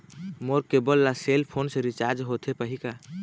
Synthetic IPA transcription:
moɾkebəlːaselpʰonsẽɾit͡ʃaɾd͡ʒɦot̪ʰepəɦika

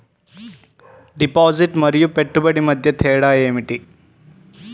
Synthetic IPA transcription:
ɖipɔd͡ziʈməɾjupeʈːubəɽiməd̪ʱjet̪ʰeɽajemiʈi

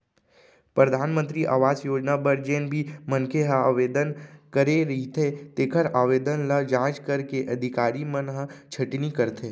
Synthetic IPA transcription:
pɾəd̪ʱaːnmə̃nt̪ɾiʔa̰ːʋaːzjoːd͡ʒnabɐɾd͡ʒeːnbʱimənkeɦəaːʋeːd̪ənkəɾeɾit̪ʰet̪eːkʰəɾaːʋeːd̪ənləd͡ʒãːt͡ʃkəɾkeʔɐd̪ʱɪkaːɾimənɦət͡ʃʰɐʈnikɐɾt̪ʰeː

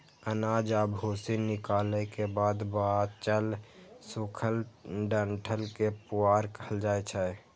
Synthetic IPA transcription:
ənaːd͡ʒabʱoːsinɪkaːləkebaːd̪bat͡ʃəlsukʰəlɖəɳʈʰəlkepuaːɾkəɦəld͡ʒaːet͡ʃʰɛ

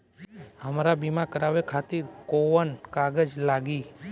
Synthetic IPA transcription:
həmɾabimãkəɾaʋekʰat̪iɾkoʋənkaɡəd͡ʒlaɡi

